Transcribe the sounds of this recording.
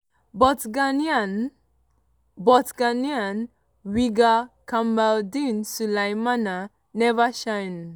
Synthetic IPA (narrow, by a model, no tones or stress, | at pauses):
bɔɡann | bɔtɡanian | wiɡakʰambawdinsulajmana | nɛʋaʃajn